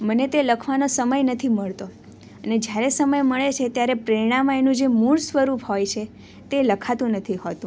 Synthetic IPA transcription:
mənet̪eləkʰʋanosəməjnət̪ʰiməɭt̪o | əned͡ʒjaɾesəməjməɭet͡ʃʰet̪jaɾepɾəɾiɽ̃amãenũd͡ʒemuɭsʋəɾupɦojt͡ʃʰe | t̪eləkʰat̪ũnət̪ʰiɦot̪ũ

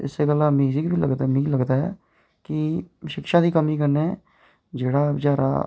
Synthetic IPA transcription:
ɪ̰seɡələmiːzɪkbiləɡd̪amiːləɡd̪aːɦɛ̰ː | kɪʃɪkʃãːd̪iːkəmiːkəɾneː | d͡ʒeːɽaːd͡ʒaːɾa̰ː

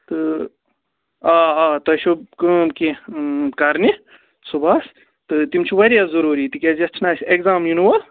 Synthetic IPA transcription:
t̪ɨ | aːat̪ɐʃubkɨmkikɐɾni | subas | t̪ɨt̪imt͡ʃʰiʋɐɾijazɐɾuːɾit̪ɨkʲezʲɐt͡ʃʰnaːsʲeɡzaːmjunwɐl

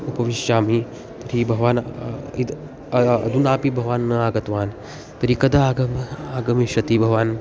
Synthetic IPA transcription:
upɐʋiʃjaːmi | t̪ɐɾibʱɐʋaːnid̪ | ɐd̪ʱunaːpibʱɐʋaːnːɐaːɡɐt̪ʋaːn | t̪ɐɾikɐd̪aaːɡɐmaːɡɐmiʃɐt̪ibʱɐʋaːn

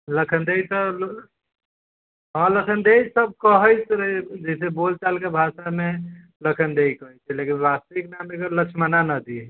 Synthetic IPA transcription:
ləkʰənd̪ejt̪ɔ | ɦə̃ləkʰənd̪ejsəb̚kəɦəjt͡ʃʰɾd͡ʒəsebolt͡ʃalkebʱaʃame | ləkʰənd̪ejkəɦət͡ʃʰɛlekinbast̪iknamekələkt͡ʃʰmənanəd̪iɛ

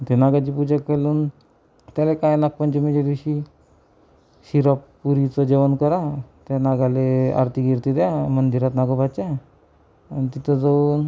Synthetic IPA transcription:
t̪enaɡat͡ɕipud͡ʑakːeluːn | t̪jalekajnak̚pəɲt͡ɕem̤əd͡ʑed̪iɕi | ɕiɾapː | uɾit͡sɔd͡ʑeʋənkəɾat̪anaɡalea̰ɾt̪ʰiɡiɾt̪id̪amənd̪iɾat̪naɡəbʱat͡ɕa | anit̪it̪ʰəd͡zaun

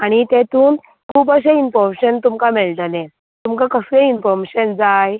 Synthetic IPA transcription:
aɽ̃it̪et̪uːn | kʰuːp̬əɕ̬einfɔɾmeɕənt̪umkamɛɭʈ̪lẽ | t̪umkakəsɾẽinfɔɾmeɕənd͡zaj

